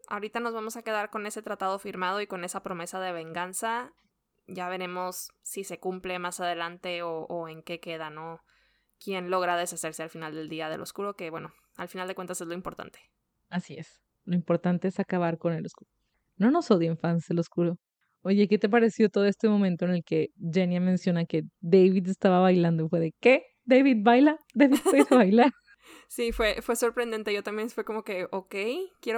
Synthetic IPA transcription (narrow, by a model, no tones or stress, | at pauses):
a̰oɾit̪ano̞zβamo̞sake̞ðaɾko̞ne̞se̞t̪ɾat̪að̞o̞fiɾmað̞o̞iko̞ne̞sapɾo̞me̞sað̞e̞β̞e̞ŋɡansa | ɟ͡ʝaβe̞ɾe̞mo̞sːise̞kumple̞masaðe̞lant̪e̞oʔoe̞ŋke̞ke̞ð̞ano̞ | kje̞nlo̞ɣɾaðe̞sase̞ɾsealfinald̪e̞ld̪iað̞e̞lʔo̞̰skuɾo̞ke̞βwe̞no̞ | alfinald̪ekwent̪ase̞zlo̞impo̞ɾt̪a̰nt̪e | asies | lo̞ĩmpo̞ɾt̪ant̪e̞esakaβ̞aɾko̞neloskuɾo | no̞no̞soðeeɱfanselo̞skuɾo̞ | o̞ʝe̞ke̞t̪ep̬aɾe̞sjo̞t̪oðo̞e̞st̪emõ̞mẽnt̪o̞ene̞lke̞d͡ʒenjamẽnsjo̞nake̞d̪ejβiðest̪aβaβajland̪oifwe̞ðeke̞ | d̪ejβid̪bajlad̪ejβiðejðeβajlaɾ | sifwe̞fwe̞so̞ɾpɾend̪e̞nt̪e̞ʝo̞t̪ambjenfweko̞mo̞ke̞okejkjeo